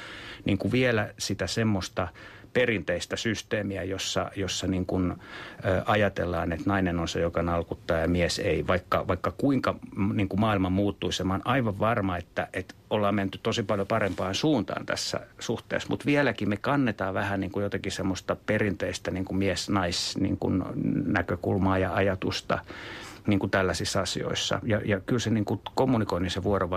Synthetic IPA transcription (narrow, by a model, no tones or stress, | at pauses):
niːŋkuʋielæsit̪æsemːost̪ɑ | perint̪eist̪æsyst̪eːmiæjosːɑ̰josːɑniŋkunøːɑjɑt̪elːɑːnet̪nɑinenonsejokɑnɑlkut̪ːɑːjɑmieseiʋɑikːɑʋɑikːɑkuiŋkɑniːŋkumɑːilmɑmuːt̪ːuisemɑnʔɑiʋɑʋʋɑrmɑet̪ːæʔet̪olːɑːmment̪ytt̪osipɑljopɑrempɑːnsuːnt̪ɑ̰ːnt̪æ̰sːæ̰suht̪ḛːsmut̪ʋiɛlækimekɑnːet̪ɑːʋæhæniːŋkujot̪ɑkisemːost̪ɑperint̪eist̪æniːŋkumiɛsnɑisnḭːŋkṵnnækøkulmɑːjɑɑjɑt̪ust̪ɑ̰niːŋkut̪ælːæsisːɑsḭo̰isːɑ̰jɑjɑkylseniːŋkukomːunikoiniseʋuoroʋɑ